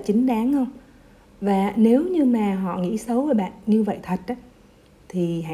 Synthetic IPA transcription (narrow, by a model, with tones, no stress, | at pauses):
t͡ɕï˨˦ŋ̟ɗaː˨˦ŋhə˧wŋ͡m | vaː˨˩ne˨˦wɲɨ˧maː˨˩ɦɔ̰˧˨ŋḭ˧˥sə˨˦waː˨˩ɓa̰ː˧˨nɲɨ˧və̰˧˨jt̪ʰə˨˩t̚ʔaː˨˦ | t̪ʰi˨˩ɦa̰˧